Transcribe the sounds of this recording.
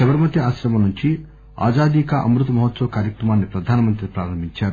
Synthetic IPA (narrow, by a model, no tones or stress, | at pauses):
ɐʋɐɾmɐt̪iaːʃɾɐmɐnuɲt͡ʃi | a̰ːd͡ʒaːd̪ikɐʔɐ̰mɾut̪ɐmɐɦɐt̪sɐʋɐkaːɾjɐkɾɐmaːnːipɾɐd̪ʱaːnɐmɐnt̪ɾipɾaːɾɐmbʱiɲt͡ʃaːɾu